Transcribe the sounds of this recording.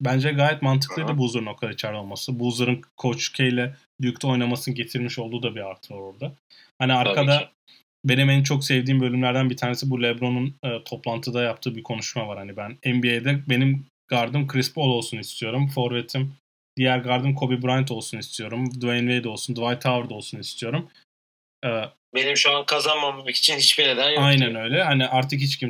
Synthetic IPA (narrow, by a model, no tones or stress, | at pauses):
bænd͡ʒɛɡaːjɛt̪mant̪ʰɯ̥klˠɯjd̪ɯbuːzˠuɾno̞k̚t̪ʰad̪ait͡ʃʰæɾlʲo̞lˠmasɯbuːzˠaɾɯnkʰo̞t͡ʃcʰejlʲɛ | d̪yjycʲt̪ʰo̞jnˠamasɯnɯɟe̞t̪ʰiɾmiʃo̞lˠd̪uːd̪abiaɾt̪ʰɯaɾoɾd̪a | haniaɾkʰad̪a | be̞nimænnt͡ʃʰo̞ksɛvd̪iːmbø̞lʲymlʲæɾd̪ænbit̪ʰaːnesibulʲɛbɾo̞nunɯːt̪ʰo̞plˠant̪ʰɯd̪ajap̚t̪ʰɯːbiɾkʰo̞nuʃmavaɾhanibænɛnbiejd̪ɛbe̞nim | ɡ̥aɾd̪ɯmkʰɾispo̞lˠo̞lˠsunist̪ʰijo̞ɾumfoɾvet̪ʰim | d̪̥ijæɾɡaɾd̪ɯmkʰo̞bibuɾant̪ʰo̞lˠsunist̪ʰijo̞ɾumd̪uɛnvejd̪o̞lˠsund̪vajt̪ʰavɾd̪o̞lˠsunist̪ʰijo̞ɾum | ɯː | benimʃuankʰazanmamamaki̥t͡ʃʰinhit͡ʃbiɾed̪ænjajnænø̞jlʲɛhaniʔaɾt̪ʰɯkhit͡ʃcʰim